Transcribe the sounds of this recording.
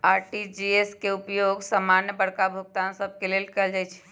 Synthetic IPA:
aɾʈid͡ʒieskeupjoɡsamanjəbəɽkabʱuɡ̚t̪ansəb̚ʱkelelkɛld͡ʒajt͡ʃʰɛ̥

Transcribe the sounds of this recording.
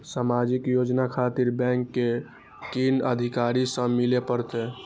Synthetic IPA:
samad͡ʒikjod͡ʒnakʰat̪iɾbɛ̃ŋkːe | kinəd̪ʱikaɾisə̃milepəɾt̪ɛ

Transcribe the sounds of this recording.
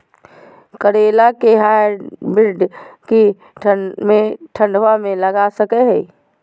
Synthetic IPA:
kəɾeːlakeɦaːɾbɪɾɖki | ʈʰəmẽʈʰə̃ɳɖʋamẽləɡasəkeɦɛ

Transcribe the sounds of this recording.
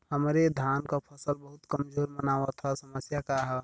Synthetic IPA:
həmɾed̪ʱaːnkapʰəsəlbəɦʊt̪kəmd͡ʒoːɾmənaːʋat̪ʰasəməsjakaɦɛ

